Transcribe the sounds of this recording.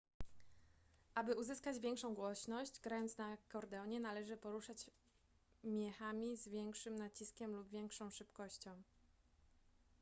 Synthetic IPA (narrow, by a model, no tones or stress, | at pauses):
ʔabɘuzɘskad͡ʑvʲjɛŋkʂɔ̃w̃ɡwɔɕnɔɕd͡ʑɡɾajɔnt̪snakɔɾd̪ɛɔɲɛnalɛʐɘpɔɾuʂat͡ɕ | mʲjɛxamʲizvʲjɛŋkʂɘmnat͡ɕiskʲɛmlubvʲjɛŋkʂɔ̃w̃ʂɘpkɔɕt͡ɕɔ̃w̃